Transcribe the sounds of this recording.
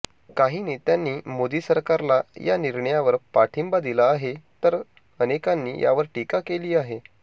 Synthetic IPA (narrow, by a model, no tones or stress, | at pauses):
kaɦiːniːt̪janːiːmod̪iːsəɾkaɾlaja̰niɾɳəjaʋəɾpaʈʰimbad̪ilaːɦet̪əɾ | ənekanːḭːjʔa̰ʋəɾʈikakeliːaɦe